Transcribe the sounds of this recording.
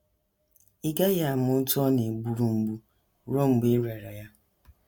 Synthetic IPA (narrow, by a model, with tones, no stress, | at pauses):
i˦ɡa˦ja˦˨m˦ʊ˦n̩˦tɔ˦ne˨ɡ͡bu˨ɾu˨ŋ͡m̩˨ɡ͡bu˦ | ɾo˦ŋ͡m̩˨ɡ͡be˦ɾe˨ɾa˨ja˦